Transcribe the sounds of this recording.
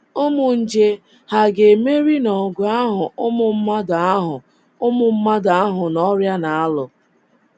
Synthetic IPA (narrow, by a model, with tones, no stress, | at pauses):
ʊ˦mʊ˨n̩˦d͡ʒe˦ | ha˨ɡe˨me˦ɾi˦nɔ˨ɡʷa˦ɦʊ˨ʔʊ˦mʊ˦˨m̩˦ma˦da˨a˦ɦʊ˨ | ʊ˦mʊ˦m̩˦ma˦da˨a˦ɦʊ˨nɔ˦ɾja˦na˨a˦lʊ˨